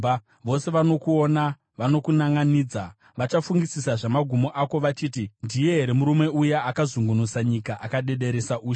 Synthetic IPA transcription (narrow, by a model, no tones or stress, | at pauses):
ʋo̞se̞ʋano̞kuo̞na | ʋano̞kunaŋɡaniːd͡za | ʋat͡ʃafuŋɡisisaʐamaɡʱumo̞ʔako̞ʋat͡ʃiːtindije̞ɦe̞ɾe̞muɾumwe̞ujaakazuŋɡunusaɲikaʔakaɗe̞ɗe̞ɾe̞saʔuːj